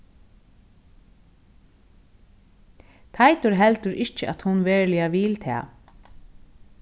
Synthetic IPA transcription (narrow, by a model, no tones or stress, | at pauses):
t̪ʰajt̪ʊɾɦɛlt̪əɾʔɪt͡ʃəʔa̰t̪hʊnʋeːɹlɪaʋɪlt̪ʰɛ̰ː